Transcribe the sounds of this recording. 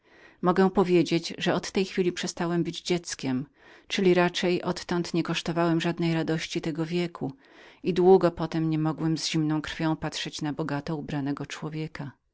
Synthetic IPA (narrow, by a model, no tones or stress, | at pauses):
mɔɡɛ̃pɔvʲjed͡ʑed͡ʑʐɛɔt̪ːɛjxfʲilʲipʂɛst̪awɛmbɘd͡ʑd͡ʑɛt̪skʲɛm | t͡ʂɘlʲiɾat͡ʂɛjʔɔt̪ːɔnt̪ɲɛkɔʂt̪ɔvawɛmʐad̪nɛjɾad̪ɔɕt͡ɕit̪ɛɡɔvʲjɛkʰuid̪wuɡɔpɔt̪ɛmɲɛmɔɡwɛmzʑimnɔ̃w̃kɾfʲjɔ̃w̃pat̪ʂɛt͡ɕnabɔɡat̪ɔubɾanɛɡɔt͡ʂwɔvʲjɛka